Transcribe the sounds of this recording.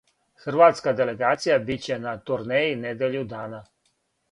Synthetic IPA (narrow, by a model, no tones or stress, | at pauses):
xr̩ʋaːt̪skad̪e̞leɡaːt̪sijabit͡ɕenat̪uɾneːjined̪eʎud̪aːna